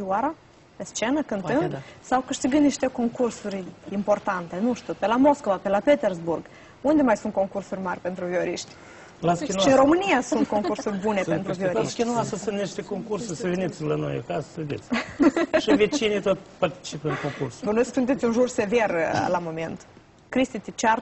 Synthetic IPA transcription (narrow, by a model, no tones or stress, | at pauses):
iwaɾa | pest͡ʃenəkɨnt̪ɨnd̪sawkɨʃt̪iɡɨnd̪iʃt̪ekoŋkursurʲimport̪ant̪e̞nuʃt̪upelamoskovapelapet̪erzburɡ | und̪emajsunt̪̚ko̞ŋkursurʲmarʲpent̪ɾuvioɾiʃt̪ʲ | laskʲinuʃiɨnro̞mɨnijasunt̪̚ko̞ŋkursurʲbunepent̪ɾuvioɾikʲinuasəsɨnt̪niʃt̪ekoŋkursusəvenit̪sʲlano̰ja̰kasə̥səved̪et̪sʲʃivet͡ʃinit̪ot̪ʲpart̪i̥t͡ʃipɨnkoŋkursbənesksunt̪et̪sʲunʒurse̞ve̞rlamoment̪ | kɾist̪it̪it͡ʃar